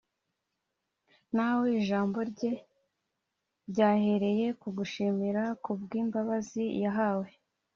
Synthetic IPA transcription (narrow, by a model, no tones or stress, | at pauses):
naweiʒaːmbo̞ɾɟe̞ | ɾɟaːhe̞ɾe̞je̞kuɡuʃimiɾakubɡiːmbaβazijaɦaːwe̞